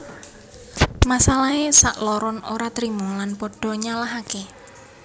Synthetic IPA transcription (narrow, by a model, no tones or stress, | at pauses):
masalaesaʔlɔɾɔnoɾat̪ɾimɔlanpɔɖ̥ɔ̤ɲalaɦake